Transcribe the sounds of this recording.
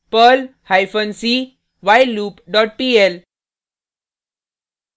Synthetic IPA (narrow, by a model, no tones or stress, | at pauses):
pəlhajfənsi | ʋajluːpɖɔʈ̚piːel